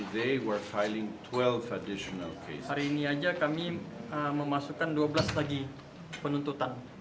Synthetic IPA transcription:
ðeɪwə˞fajlɪ̃ŋtʰwɛlˠvədɪʃɔna̰lkʰḛshaɾiːniad͡ʒakamiəməmasukanduabəlaslaɡi | pənunt̪ut̪an

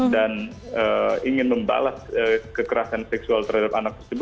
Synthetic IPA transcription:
dan | əiŋɪnməmba̰lasəkəkəɾasansɛksualt̪əɾhadap̚anak̚t̪ərsəbʊ

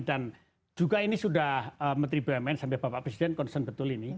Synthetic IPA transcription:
dan | d͡ʒ̥uɡainisudahəmənt̪ɾibəɛmɛnsambɛhbapaʔpɾesidɛnkɔnsənbət̪ʊlini

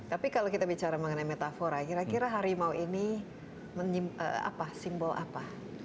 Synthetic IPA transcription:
t̪apikalokit̪abit͡ʃaɾaməŋənajmet̪afoɾakiɾakiɾaɦaɾimauʔini | məɲiə̰a̰pasimbɔlʔa̰pa

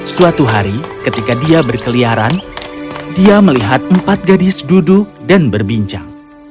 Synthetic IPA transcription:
suat̪uɦaɾikət̪ikadiabərkəliaɾan | diaməliɦat̪̚əmpat̪̚ɡadɪsduduk̚danbərbiɲt͡ʃa̰ŋ

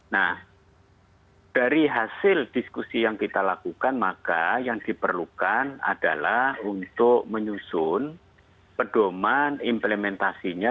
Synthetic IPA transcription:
nah | d̥aɾiɦasɪld̥iskusijaŋkit̪alakukanmakajaŋd̥ipərlukana̰d̥alahunt̪ʊk̚məɲusʊn | pəd̥omanimpləmɛnt̪asiɲa

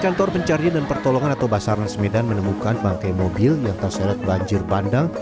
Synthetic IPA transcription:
kant̪ɔrpəɲt͡ʃaɾiadanpərt̪olɔŋanat̪awbasaɾansəmedanmənəmukanbaŋkajmobɪljaŋt̪arsaɾat̪̚baɲd͡ʒɪrbandaŋ

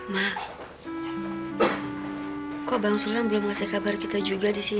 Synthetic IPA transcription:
ma | kɔbaŋsulanbəlomkasɛhkabarkit̪ad͡ʒuɡadisi

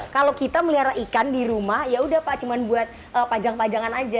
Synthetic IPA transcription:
kalokit̪aməliaɾaʔikandiɾumahjaudahpaʔt͡ʃumanbuat̪̚ | əpad͡ʒaŋpad͡ʒaŋanad͡ʒa

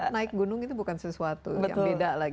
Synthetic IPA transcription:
naɪk̚ɡunʊŋit̪ubukansəsuat̪ubəja̰t̪mʊbedalaɡ

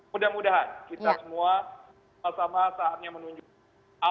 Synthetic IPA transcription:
udahmudaɦankit̪asəmuas | asamasaːt̪̚ɲamənuɲd͡ʒ | a

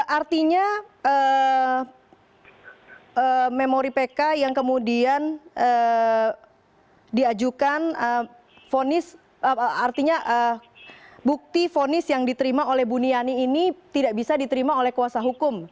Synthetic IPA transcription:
ʔart̪iɲaə | əmemoɾipekajaŋkəmudianə | diad͡ʒukanə | fonɪs | art̪iɲaʔə | buk̚t̪ifonɪsjaŋdit̪əɾimaolɛhbunianiːnit̪idaʔbisadit̪əɾimaolɛhkuwasaɦukʊm

